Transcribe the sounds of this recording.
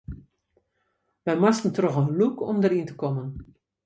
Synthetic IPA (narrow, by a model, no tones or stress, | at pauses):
ʋɛjmastəntrɔxənlukɔ̰mdərintə̥kɔmən